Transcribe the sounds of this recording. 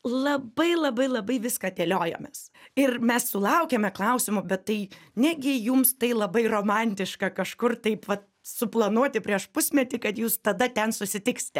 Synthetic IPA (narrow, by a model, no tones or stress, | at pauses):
lˠɐbɐɪlˠɐbɐɪlˠɐbɐɪʋʲɪskɑːt̪ʲeːlʲoːjo̰ːmʲɛsɪrmʲɛssʊlˠɐʊkʲeːmʲɛklˠɐʊsʲɪmʊbʲɛt̪tɐɪnʲɛɡʲɪjʊmst̪ɐɪlˠɐbɐɪroːmɑnʲt̪ʲɪʃkɐkɐʃkʊrt̪ɐɪpʋɐt̪ | sʊplˠɐnuɔt̪ʲɪpʲɾʲiɛʃpʊsʲmʲɛt̪ʲɪkɐt̪juːst̪ɐd̪ɐtʲɛnsʊsʲɪt̪ʲɪksʲɪ̥t̪ʲɛ